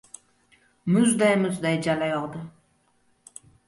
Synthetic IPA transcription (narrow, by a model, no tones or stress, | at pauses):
mʊzd̪ajmʊzd̪ajd͡ʒalajɒlˠd̪ɪ